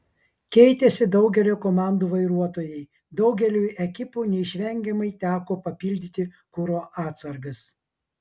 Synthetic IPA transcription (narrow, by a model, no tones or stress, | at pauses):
kʲɛɪt̪ʲɛsʲɪd̪ɒʊɡʲɛlʲoːkoːmɑˑnd̪uːʋɐɪɾuɔt̪oːjɛɪ | d̪ɒʊɡʲɛlʲuːɛkʲɪpuːnʲɛɪʃʲʋʲɛŋʲɡʲɛmɐɪt̪ʲæːkoːpɐpʲɪlʲd̪ʲɪt̪ʲɪ | kʊɾoːʔɑːt̪sɐɾɡɐs